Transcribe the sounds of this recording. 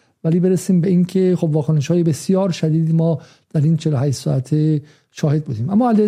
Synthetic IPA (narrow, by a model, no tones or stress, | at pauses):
væliːbe̞ɾesiːmbeiːncʰe̞xobvɒːkʰone̞ʃhɒːjebe̞sijɒːɾʃæd̪iːd̪imɒː | d̪̥æɾiːnt͡ʃʰeloɦæːʃt̪sɔ̰ːæt̪ʰe | ʃɒːhe̞d̪̚buːd̪iːmʔæmːɒːæle